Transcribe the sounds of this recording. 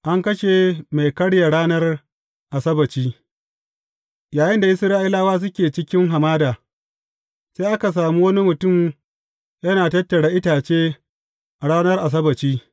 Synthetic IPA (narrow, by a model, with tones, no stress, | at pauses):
ʔa˦ŋkɐ˦ʃe˨ma˨jkɐ˦ɽja˨ɽaː˦nɐ˦r | ʔa˨sɐ˦bɐ˨t͡ʃiː˦ | jaː˨jɪ˦nda˨ʔɪ˦sɾaː˦ʔɪ˦laː˦waː˦s̬ʊ˦kʲeː˨t͡ʃɪ˦kʲɪ˦ŋɦa˨maː˦daː˨ | seː˦ʔa˦ka˨s̬aː˨muː˦wɐ˦ni˦mʊ˨tʊ˦˨m | jɐ˦naː˨tɐ˦tːɐ˨ɽaː˦ʔɪ˦taː˨t͡ʃeː˦ | ʔɽaː˦nɐ˦rʔa˨s̬ɐ˦bɐ˨t͡ʃiː˦